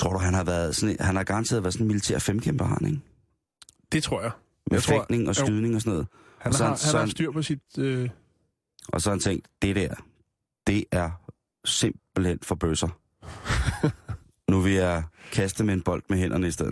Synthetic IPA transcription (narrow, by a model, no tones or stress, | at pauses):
t͡sʰʁo̝ɐ̰duɦænɦɑ̈ʋæːɐðˠsɒ̽nehænhɑ̈ɡ̥ɑ̈ʁnt͡sʰe̝ɐð̩ˠʋæɐðˠsɔ̽n̩milit͡sʰḛɐfemkʰemb̥ɐhɑ̰neŋ | d̥et͡sʰʁo̝ɐ̰ja | mefeɡ̥ne̝ŋɒ̽sɡ̥yðˠne̝ŋɒ̽sɔnɔ̽ːð̰ˠ | hɒssɒæshæɒænsd̥yɐ̰pʰɒsid̥ø | ʔɒ̽sɒhænt͡sʰeŋ̰d̥d̥e̝ɾæɐ̰ | d̥e̝ʔæɐ | sem̰b̥l̩hen̰̥fɒ̽b̥øsɐ | nuʋe̝jɑkʰæsd̥əmeenb̥ɒ̽l̰d̥meɦen̰ʔɐnəisd̥eð̰ˠ